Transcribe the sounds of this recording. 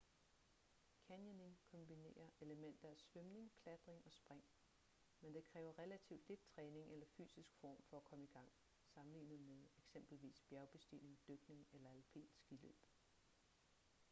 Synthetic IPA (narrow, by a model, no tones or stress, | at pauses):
kʰænjəne̝ŋkʰɒ̽mb̥ine̝̰ːɐʔe̝ləmen̰d̥ɐæsʋømne̝ŋkʰlæd̥ʁeŋɒ̽sb̥ʁaŋ̰ | mend̥e̝kʰʁɛːʊɐʁɛlæt͡sʰiʊ̰d̥le̝d̥̚t͡sʰʁɛːne̝ŋʔelɐfy̰ːsisɡ̥fɒ̰ːmfɒ̽ækʰɒ̽məiɡ̥ɑ̈ŋ̰ | sɑ̈mn̩lḭːnð̩ˠmeðˠeɡ̥sem̰b̥l̩ʋḭːsb̥jæɐʊb̥e̝sd̥ḭne̝ŋd̥øɡ̥ne̝ŋelɐælpʰe̝̰ːl̥sɡ̥ilø̰b̥